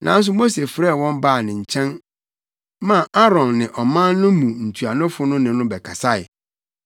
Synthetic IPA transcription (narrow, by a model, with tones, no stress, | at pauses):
nʔã˨n̩˦s̬ʊ˦mo˦se˨fɾɛ˦˨wɔ̃˦m˦ba˦˨nɪ̃˨ɲ̩˨t͡ɕʰɛ̃˦n | mã˦˨ʔa˦ɾɔ̃˨nːɪ̃˨ʔɔ˨mã˦nːʊ̃˦mũ˨n̩˨tʰu˨a˨nʊ̃˦fʊ˦nʊ̃˦nɪ̃˨nʊ̃˦bɛ˨kʰa˨sa˦ɪ̰˨